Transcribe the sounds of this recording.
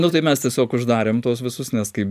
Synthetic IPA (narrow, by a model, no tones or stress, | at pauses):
nʊt̪ɐɪmʲɛst̪ʲiɛsʲoːkʊʒd̪ɑːɾʲeːmt̪uɔsʋʲɪsʊsnʲɛskɐɪ